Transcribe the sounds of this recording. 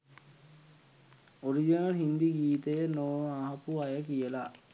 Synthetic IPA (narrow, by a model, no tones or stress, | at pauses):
oɾid͡ʒinɐlɦind̪iɡiːt̪əjənoːaɦɐpuajəkijəla